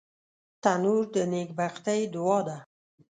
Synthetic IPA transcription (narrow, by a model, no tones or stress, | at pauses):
t̪anuɾd̪ənekbaqt̪ajd̪ʊwɑd̪a